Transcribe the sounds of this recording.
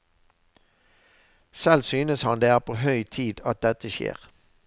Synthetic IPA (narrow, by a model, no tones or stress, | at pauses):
sɛlsyːnəshɑnd̪eːæːʁpʰoːɦœʏt̪ʰiːd̪ɑt̪̚d̪ɛt̪əʃḛːʁ